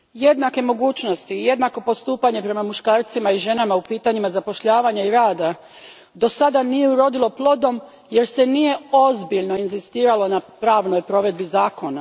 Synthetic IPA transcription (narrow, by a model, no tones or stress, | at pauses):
je̞d̪nake̞mo̞ɡuːt͡ʃno̞st̪iːje̞d̪nako̞po̞st̪uːpaɲe̞pɾe̞mamuʃkaːɾt̪simaiʒe̞namaupiːt̪aɲimazapo̞ʃʎaːʋaɲaiɾaːd̪a | d̪o̞sad̪anije̞uɾo̞d̪ilˠo̞plˠo̞d̪o̞m | je̞ɾse̞nije̞o̞zbiʎno̞inzist̪iːɾalˠo̞napɾaːʋnojpɾo̞ʋe̞d̪bizaːko̞na